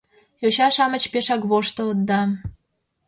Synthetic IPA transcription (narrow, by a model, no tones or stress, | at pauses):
joɕɑʃɑmət͡ɕpeʃɑkβoʃt̪ood̪ːɑ